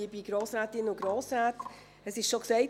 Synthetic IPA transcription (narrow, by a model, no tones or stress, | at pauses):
ibiɡ̥ɾoːsɾæːtɪnʊɡɾoːsɾaːt | əsɪʃʃoksɛɪt